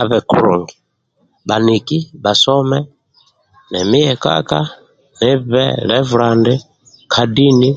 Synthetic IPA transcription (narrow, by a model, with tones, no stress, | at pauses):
a˨βɛ˨kṵ˨ɾṵ˨ŋɡi˨ | ba˨ni˨ki˦ba˨sɔ˦mɛ˦ | nɛ˨mi˦jɛka̰˦ka˦ | nɛ˦βɛ̰˦lɛ˦vu˨la˨ndɛ˦ | kʰa˨di˦ni˦